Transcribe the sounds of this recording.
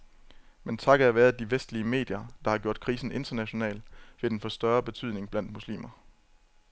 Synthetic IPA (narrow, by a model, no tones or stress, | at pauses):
ment͡sʰɑ̈ɡ̥ææʋæːɐðˠd̥iʋesd̥liəme̝̰ːd̥jɐd̥ɑ̈hɑ̈ɡ̥jo̝ɐ̰d̥kʰʁḭːsn̩e̝nd̥ɐnæɕo̝nɛ̰ːlʋe̝d̥enfɒ̽sd̥ɶɐb̥e̝t͡sʰyð̰ˠne̝ŋb̥læn̰d̥̚muslḭːmɐ